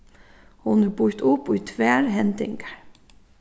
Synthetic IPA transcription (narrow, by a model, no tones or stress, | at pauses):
hʊnəbʊɾt̪ʊpuːt̪ʰʋæːɾɦɛnd̪ɪ̰ŋɡə̥ɹ